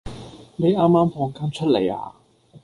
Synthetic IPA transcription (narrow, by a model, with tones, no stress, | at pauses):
me˨˥jaː˥mːaː˥mfɔː˧ŋkaː˥nt͡ʃʰɵ˥t̚lḛ˨˩ja̰ː˧